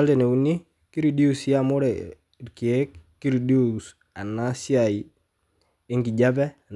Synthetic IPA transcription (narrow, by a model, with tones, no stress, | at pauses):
a˦ltɛ˨ne˨u˨ni˦ | ki˦ɾi˨di˦u˨sja˦mo˦ɾɛ˨ | ɾki˨ɛ˦k̚ːi˦ɾi˨di˦u˨s | a˨na˦si˦a˨i˨ | ɪ˦ŋki˨ɟa˦bɛ˦˨